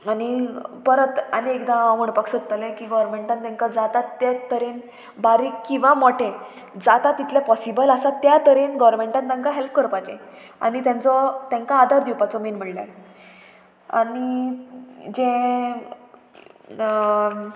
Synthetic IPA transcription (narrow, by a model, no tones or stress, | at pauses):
anipəɾət̪aniekd̪ãaʋəɳpaksətt̪əlẽkiːɡɔʋɾmeɳʈãnt̪ãŋkad͡zat̪at̪ːjat̪əɾen | baɾiːkːĩw̃ʋamɔʈʰẽ | d͡zat̪at̪ːit̪lepɔsibəlasat̪jat̪əɾenɡɔʋɾmeɳʈant̪ãŋkaɦelp̚kəɾpajt͡ɕẽ | a̰nit̪jãnt͡sɔt̪jãŋkaːd̪ʱaɾd̪juwpat͡sɔmenm̤əɳla̰ | a̰ni | d͡ʑẽ